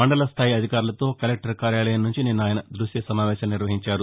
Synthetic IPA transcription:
mɐɳɖɐlɐst̪ʰaːjiɐd̪ʱikaːɾulɐt̪oːkɐlek̚ʈɐɾkaːɾjaːlɐjɐmnuɲt͡ʃininːaːjɐnɐd̪ɾuʂjɐsɐmaːʋɛːʃɐmniɾʋɐɦiɲt͡ʃaːɾu

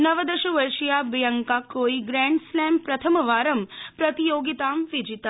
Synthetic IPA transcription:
nɐʋɐd̪ɐʃuʋɐɾʃijaːbijɐŋkakoːiɡɾɛːɳɖslɛːmpɾɐt̪ʰɐmɐʋaːɾɐmpɾɐt̪ijoːɡit̪aːmʋid͡ʒit̪a

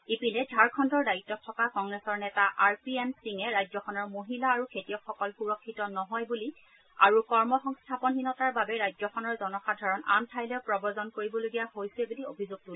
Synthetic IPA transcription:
ipilɛdʱaɹkʰɔndɔɹdajitːɔk̚tʰːɔkakɔŋɡɹɛsɔɹnɛtaʔaɹpiɛnsiŋɛɹajzɔkʰɔnɔɹmoɦilaːɹukʰetijɔkʰɔkɔlxuɹɔkʰːitɔnɔɦɔjbuli | a̰ɹukɔɹmɔxɔŋstʰapɔnxinɔtaɹbabɛɹajzɔkʰɔnɔɹzɔnɔxadʱaɹɔna̰mtʰajlɔpɹɔbɔzɔnkoɹibɔloɡijahojsɛbuliobʱizoɡ̚tul

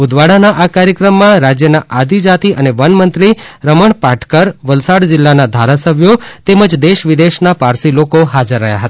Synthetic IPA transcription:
ʊd̪ʋaɽanaʔakaɾjəkɾəmːãɾad͡ʒjənaʔad̪ʱid͡ʒat̪iʔəneʋənmənt̪ɾiɾəməɳpaʈkəɾʋəlsaɽd͡ʒɪlːanad̪ʱaɾasəbʱjot̪eməd͡ʒd̪eʃʋid̪eʃnapaɾsilokoɦad͡ʒəɾːəɦja̰ɦət̪aa

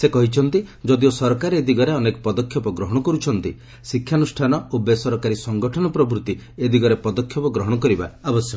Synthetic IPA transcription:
sekɔɦit͡ʃʰɔnt̪id͡ʒɔd̪iosɔɾɔkaɾeed̪iɡɔɾeɔnekɔpɔd̪ɔkʰjɔpɔɡɾɔɦɔɽ̃ɔkɔɾut͡ʃʰɔnt̪i | sikʰjanusʈʰanɔobesɔɾɔkaɾisɔŋɡɔʈʰɔnɔpɾɔbɾut̪ied̪iɡɔɾepɔd̪ɔkʰːjɔpɔɡɾɔɦɔɽ̃ɔkɔɾiba̰ːbɔsjɔ

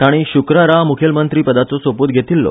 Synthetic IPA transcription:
t̪aɽ̃iɕukɾəɾamukʰelmənt̪ɾiːpəd̪at͡sɔsoput̪ɡʱet̪iːlːɔ̰

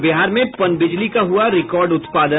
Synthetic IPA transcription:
bɪɦaːɾmẽpɐnbɪd͡ʒlikaɦuaɾɪkɔːɾɖʊt̪paːd̪ə

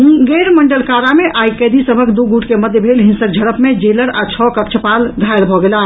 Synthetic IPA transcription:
ũɡeɾməɳɖəlkaɾameʔʔajkɛd̪isəbʱəkd̪uɡuʈkeməd̪jəbʱelɦinsək̚d͡ʒʱəɾəpmed͡ʒeləɾat͡ʃʰɔkətt͡ʃʰəpalɡʱajlbʱɔɡela

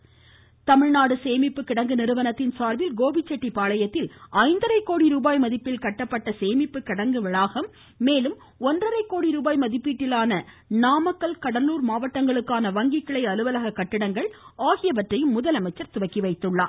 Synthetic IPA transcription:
t̪ɐmɪɻnaːɽɯseːmɪpːɯkːɪɽɐŋɡɯnɪɾɯʋɐnɐt̪ːɪnsaːɾʋɪlɡoːbɪt͡ʃːɐʈːipaːɭɐjɐt̪ːɪlɐɪnd̪ɐɾɐɪkːoːɽiɾuːbaːjmɐðɪpːɪlkɐʈːɐpːɐʈːɐseːmɪpːɯkːɪɽɐŋɡɯʋɪɭaːɣɐmː | eːlɯm | ɔndrɐɾɐɪkːoːɽiɾuːbaːjmɐðɪpːiːʈːɪlaːnɐ | naːmɐkːɐlkɐɽɐluːɾmaːʋɐʈːɐŋɡɐɭɯkːaːnɐʋɐŋɡɪkːɐɭɐɪɐlɯʋɐlɐɣɐkːɐʈːɪɽɐŋɡɐɭaːɣɪjɐʋɐʈrɐjɯmːʊðɐlɐmɐɪt͡ʃːɐɾt̪ʊʋɐkːiʋɐɪt̪ːɯɭːaː

